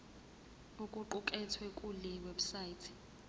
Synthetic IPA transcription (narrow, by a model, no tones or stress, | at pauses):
ukʼuǃukʼɛtʰwɛkʼulɛweɓu̥saitʰi̥